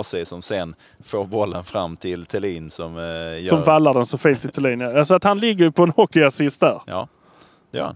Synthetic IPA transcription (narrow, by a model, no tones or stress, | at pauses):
sɛjsɔmsɛn | foːɾbɔlːənfɾamːt̪ʰɪlt̪ʰɛliːnsɔmjsɔmvalːaɖɛnsɔfiːnt̪ɪt̪ʰɛliːnjaals̬ɔat̪hanlɪɡːəjɵpʰɔɛnhɔkːɪasɪst̪̚d̪æɾjɑ̰ː | d̪ɛjœ̰ɾha̰n